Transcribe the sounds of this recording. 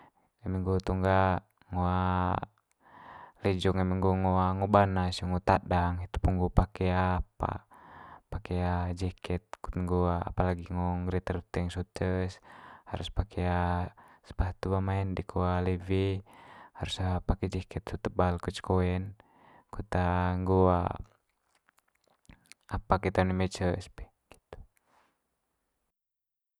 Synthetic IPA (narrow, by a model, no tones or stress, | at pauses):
ɛmɛŋɡot̪uŋɡa | ŋoa | lɛd͡ʒɔŋɛmɛŋɡoŋoaŋɔbanasuŋɔt̪adaŋit̪u̥puŋɡupakɛapa̰ | pakɛad͡ʒɛkɛt̪̚ku̥t̪ŋɡoaa̰palaɡiŋɔŋɡɾɛt̪ərut̪ɛŋsut̪əshaɾuspakʰɛasə̥paht̪ubamaɛndikʰualivi | haɾusapakɛd͡ʒɛkɛt̪sut̪əbalkut͡ʃkoɛn | kut̪aŋɡoa | apakɛt̪animɛt͡ʃəspɛ̥h | ɡ̥i̥t̪u̥